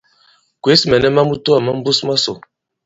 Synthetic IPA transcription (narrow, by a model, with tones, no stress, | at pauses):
kwe˨˦smɛ˨nɛ˦ma˦mu˦to˦a˨ma˦m̩˦bu˦sma˦so˨